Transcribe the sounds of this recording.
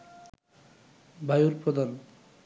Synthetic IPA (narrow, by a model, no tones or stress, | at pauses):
bʱajuɾpɾod̪an